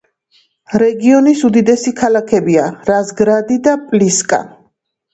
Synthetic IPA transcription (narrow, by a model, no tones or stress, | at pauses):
ɾɛɡiɔnisud̪id̪ɛsikʰalakʰɛbiaɾazɡɾad̪id̪apʼliskʼa̰